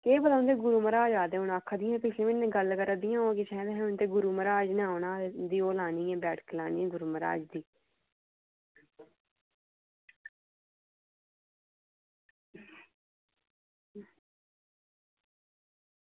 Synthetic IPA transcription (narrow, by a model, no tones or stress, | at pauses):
keːbəd̪ãːnd̪eːɡʊɾuːməɾaːd͡ʒaːd̪eːʊnaːkʰːd̪ɪjãːpɪʃʰleːʋɪnːẽːɡəlkəɾad̪ɪjãːõːkɪt͡ʃʰɛ̃ːd̪eɦɛ̃ʊ̃nt̪eːɡʊɾuːməɾaːd͡ʒnːaːʊnaːd̪iːoːlaːniːɛ̃ːbɛːʈklaːniːɛ̃ːɡʊɾuːməɾa̰ːd͡ʒd̪iː